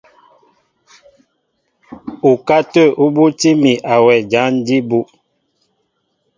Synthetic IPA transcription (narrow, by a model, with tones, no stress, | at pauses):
u˨ka˦tə˦˨u˦bu˦ti˦mi˨ʔa˨wɛ˨d͡ʒa˨˦n˦di˦bu˦ʔ